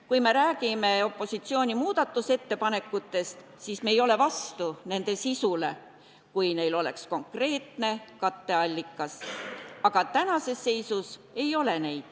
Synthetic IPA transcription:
kujme̞ɾæːɡ̥ime̞o̞pːˑo̞sit̪sio̞ːnʲimuːd̪ɑt̪ːˑuse̞t̪ːe̞pɑne̞kːut̪ːe̞st̪ | sisme̞ːjo̞le̞vɑst̪une̞nd̪̥e̞sisule̞ | kujne̞jlo̞le̞̰ksko̞ŋkre̞ːt̪ne̞kɑt̪ːe̞ɑlʲːikːˑɑsɑɡ̥ɑt̪ænɑse̞sːe̞jsuse̞jo̞le̞ne̞jd̪̥

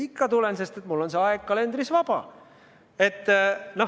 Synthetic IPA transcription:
ikːɑt̪ulense̞st̪et̪mulːo̞nseɑeɡ̥̚kɑle̞nd̪ɾisvɑb̥ɑ̰ | e̞t̪ːno

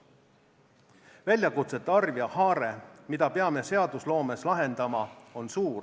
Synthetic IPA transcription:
vælʲjɑkut̪se̞t̪ˑːeɑrvjɑhɑːɾe̞mid̪̥ɑpe̞ɑme̞se̞ɑd̪̥uslo̞ːme̞slɑɦe̞nd̪̥ɑmɑo̞nsuːr

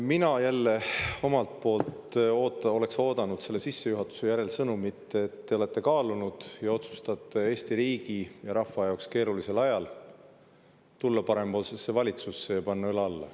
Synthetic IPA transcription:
minɑjælːe̞o̞mɑlt̪̚po̞ːlt̪oːt̪ːo̞le̞kso̞ːd̪ɑnud̪̥se̞lːesisːe̞juɦɑt̪ːˑu̥se̞jæɾe̞lsɤnumit̪ːeːt̪ːe̞o̞le̞t̪ːˑe̞kɑːlunud̪̥jɑo̞t̪su̥st̪ɑt̪ːˑe̞e̞ːst̪iɾiːɡijɑɾɑfɑjɑokske̞ːɾulise̞lɑjɑl | t̪ulːɑpɑɾe̞mo̞ːlsesːe̞vɑlʲit̪susːejɑpɑnːɑyleɑlːɑ̰

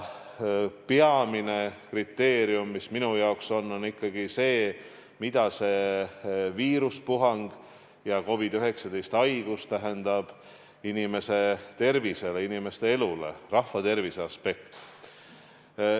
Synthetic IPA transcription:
peɑmine̞krit̪ːe̞ːɾiumːisminujɑokso̞nːo̞nikːɑɡ̥ise̞ː | mid̪ɑse̞ | viːɾuspuɦɑŋɡ̥ | jɑko̞vid̪̥yɦe̞ksɑd̪e̞jst̪ɑjɡ̥ust̪æɦe̞nd̪̥ɑb̥ | inime̞se̞t̪e̞rvise̞leinime̞st̪e̞e̞lule̞̰rɑhvɑt̪e̞rviseɑspe̞kt̪

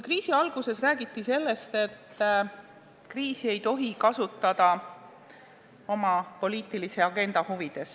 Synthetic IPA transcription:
kriːsiɑlɡ̥use̞sræːɡ̥it̪ːˑise̞lːe̞st̪e̞t̪ː | kriːsie̞jt̪o̞ɦikɑsut̪ːˑɑd̪̥ɑ | o̞mɑpo̞liːt̪ːˑilise̞ɑɡ̥e̞nd̪̥ɑhuvid̪̥e̞s

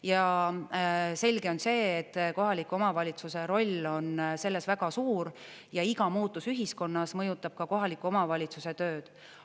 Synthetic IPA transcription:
jɑ | se̞lʲɡ̥e̞o̞nse̞ːt̪ːko̞ɦɑlikːˑuo̞mɑvɑlʲit̪suse̞ɾo̞lʲːo̞nse̞lːe̞svæɡɑsuːɾ | jɑiɡɑmuːt̪ːˑusyɦisko̞nːɑsmɤjut̪ːˑɑb̥̚kɑko̞ɦɑlikːˑuo̞mɑvɑlʲit̪suse̞t̪ø̞ːd̪̥

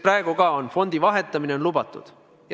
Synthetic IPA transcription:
præeɡ̥uɡɑo̞nfo̞nd̪ivɑɦe̞t̪ːˑɑmineonlubɑt̪ːˑṵd̪̥ | j

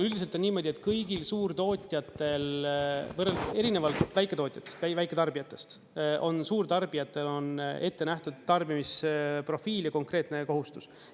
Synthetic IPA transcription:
yld̪ise̞lt̪o̞nːiːmo̞d̪ʲie̞t̪kɤjɡilsuːrt̪o̞ːt̪ʲjɑt̪ːˑe̞lvɤrele̞ɾine̞vɑlt̪væjkːˑet̪o̞ːt̪ʲˑjɑ̥t̪ːˑest̪ævæjkˑe̞t̪ɑrb̥ijɑt̪ːˑe̞̥st̪ | ʔo̞nsuːrt̪ɑrb̥ijɑt̪ːˑe̞lo̞ne̞t̪ːe̞næht̪ud̪̥̚t̪ːɑrbimispro̞fiːljɑko̞ŋkre̞ːt̪ne̞ko̞ɦust̪us

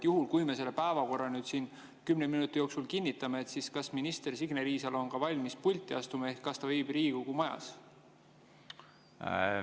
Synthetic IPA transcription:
juɦulkujmese̞lːepæevɑko̞rːɑnyːd̪̥sin | kymneminut̪ːˑijo̞ːksulkinʲːit̪ːˑɑmeeːt̪siskɑsminist̪e̞rsiɡ̥neɾiːsɑlo̞nkɑvɑlʲmispulʲt̪ːˑiɑst̪umɑe̞hkːɑst̪ɑvejb̥riːɡ̥uɡumɑjɑ̰s

